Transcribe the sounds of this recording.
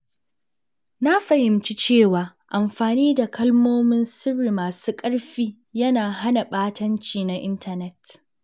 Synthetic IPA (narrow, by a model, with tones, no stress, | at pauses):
na˦ɸɐ˨jɪ˨mt͡ʃi˦t͡ʃeː˦˨waː˨ʔa˨mɸaː˨niː˦da˨kɐ˦lmoː˦mɪ˦nsʊ˦ɽːi˨maː˨suː˦kʼɐ˦ɽɸiː˦ | jɐ˦naː˨ɦa˦na˨ɓaː˦tɐ˦nt͡ʃiː˨na˦ʔɪ˦ntʰɐ˨nɛ˦t